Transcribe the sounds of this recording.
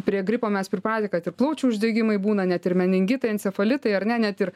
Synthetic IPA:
pʲɾʲiɛɡɾʲɪpoːmʲɛspʲɾʲɪpɑːt̪ʲɪkɐt̪ɪrplˠɐʊt͡ʃʲuʊʒʲd̪ʲɛːɡʲɪmɐɪbuːnɐnʲɛt̪ɪrmʲɛnʲɪŋʲɡʲɪt̪ɐɪɐnʲsʲɛfɐlʲɪt̪ɐɪɐɾnʲɛnʲɛt̪ɪr

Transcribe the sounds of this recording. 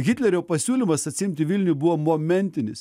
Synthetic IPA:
ɡʲɪt̪ʲlʲɛɾʲoːpɐsʲuːlʲimɐsɐt̪ʲsʲɪɪmʲt̪ʲɪʋʲɪlʲnʲʊbʊʋoːmoːmʲɛnʲt̪ʲɪnʲɪs

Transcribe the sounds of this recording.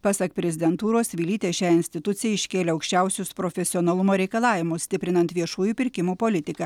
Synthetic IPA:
pɑsɐkpʲɾʲɛzʲɪd̪ʲɛnt̪uːɾoːsʋʲilʲiːt̪ʲeːʃʲæːɪnʲsʲt̪ʲɪt̪ʊt̪sʲɪjɛɪʃʲkʲeːlʲeːɐʊkʃʲt͡ʃʲɛʊsʲʊspɾoːfʲɛsʲɪɔːnɐlˠʊmoːɾʲɛɪkɐlˠɑːʋʲɪmʊssʲt̪ʲɪpʲɾʲɪnɐnt̪ʋʲiɛʃuːjuːˑpʲɪɾʲkʲɪmuːpolʲɪt̪ʲɪkɐː

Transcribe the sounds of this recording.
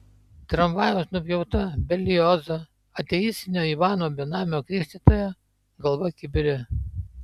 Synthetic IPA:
t̪ɾɐmʋɑːjoːsnʊpʲjɛʊt̪ɐbʲɛlʲɪjɔːzɐ | ɐt̪ʲɛjiːst̪ʲɪnʲoːiʋɑːnoːbʲɛnɑːmʲoːkɾʲiʃʲt̪ʲiˑt̪oːjɛ | ɡɐlˠʋɐkʲɪbʲɪɾʲɪ

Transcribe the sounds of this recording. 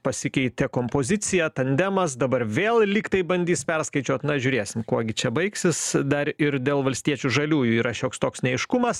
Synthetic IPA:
pɐsʲɪkʲɛɪt̪ʲɛkoːmpoːzʲɪt̪t͡s̪ʲɪjɛt̪ɐnʲd̪ʲɛmɐs̬d̪ɐbɐrʋʲeːlˠlʲiːkt̪ɐɪbɐnʲd̪ʲiːspʲɛrskɐɪt͡ʃʲuɔt̪nɐʒʲʊɾʲeːsʲɪmkuɔɡʲɪt͡ʃʲɛbɐɪksʲɪsd̪ɐɾɪɾd̪ʲeːlˠʋɐlʲsʲt̪ʲiɛt͡ʃʲuʒɐlʲuːjuiːɾɐʃʲoːkst̪oːksnʲɛɛɪʃkʊmɐs

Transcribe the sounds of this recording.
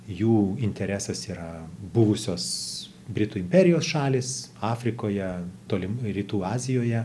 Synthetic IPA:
juːɪnʲt̪ʲɛɾʲæsɐsiːɾɐbʊʋʊsʲoːs | bʲɾʲɪt̪uːɪmʲpʲɛɾʲɪjoːsʃɑːlʲɪːsɑːfʲɾʲɪkoːjɛt̪oːlʲɪmɾʲiːt̪uːɑːzʲɪjoːjɛ

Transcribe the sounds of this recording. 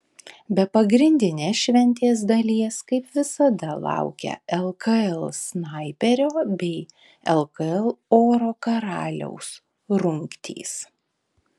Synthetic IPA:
bʲɛpɐɡɾʲɪnʲd̪ʲɪnʲeːsʃʲʋʲɛnʲt̪ʲeːs̬d̪ɐlʲiɛskɐɪpʋʲɪsɐd̪ɐlˠɑ̰ʊkʲɛ̰ɛlˠkɐɛlˠsnɐɪpʲɛɾʲoːbʲɛɪ | ɛlˠkɐɛlˠoːɾoːkɐɾɑːlʲɛ̰ʊs | ɾʊŋʲkt̪ʲʰḭːs

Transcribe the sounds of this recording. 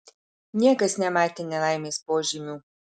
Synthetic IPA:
nʲɛɡasnʲɛmajt̪ɛnʲɛlajmɛspoʒimʲu

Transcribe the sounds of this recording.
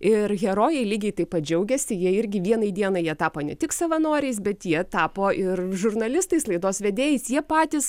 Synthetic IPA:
ɪrɣʲɛɾoːjɛɪlʲiːɡʲɛɪt̪ɐɪpɐt̪̚d͡ʒʲɛʊɡʲɛsʲɪjiɛɪɾʲɡʲɪʋʲiɛnɐɪd̪ʲiɛnɐjiɛt̪ɑːpoːnʲɛt̪ʲɪksɐʋɐnoːɾʲɛɪsbʲɛt̪jiɛt̪ɑːpoːʔɪrʒʊrnɐlʲɪst̪ɐɪslˠɐɪd̪oːsʋʲɛd̪ʲeːjɛsjiɛpɑːt̪ʲɪs

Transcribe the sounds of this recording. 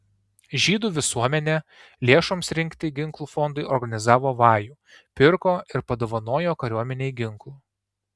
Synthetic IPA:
ʒʲiːd̪uːʋʲɪsuɔmʲɛnʲɛ | lʲeɛʃoːmsɾʲɪŋʲkt̪ʲɪɡʲɪŋˑklˠuːfɔnd̪ʊɪɔɾɡɐnʲɪzɑːʋoːʋɑːjuː | pʲɪɾkoːɪɾpɐd̪oːʋɐnoːjoːkɐɾʲuɔmʲɛnʲɛɪɡʲɪŋklˠuː

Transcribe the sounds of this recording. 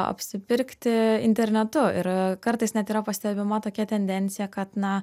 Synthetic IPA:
ɐ̰pʲsʲɪpʲɪɾʲkt̪ʲɪɪ̰nʲt̪ʲɛɾʲnʲɛt̪ʊɪɾkɐɾt̪ɐɪsnʲɛt̪iːɾɐpɐsʲt̪ʲɛbʲɪmɐt̪oːkʲɛt̪ʲɛnʲd̪ʲɛnʲt̪sʲɪjɛkɐt̪nɐ

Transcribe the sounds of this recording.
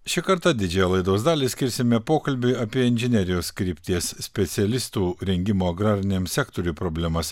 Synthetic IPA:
ʃʲɪkɐɾt̪ɑd̪ʲɪd͡ʒʲɛjɛlˠɐɪd̪oːsd̪ɑːlʲiːsʲkʲɪɾʲsʲɪmʲɛpoːkɐlʲbʲɪɐpʲiɛɪnʲʒʲɛnʲɛɾʲɪjoːskɾʲiːpʲt̪ʲiɛssʲpʲɛt̪sʲɛlʲɪst̪uːɾʲɛŋʲɡʲɪmoːɐɡɾɑːɾʲɪnʲeːmsʲɛkt̪ɔɾʲuːpɾoːbʲlʲɛmɐs

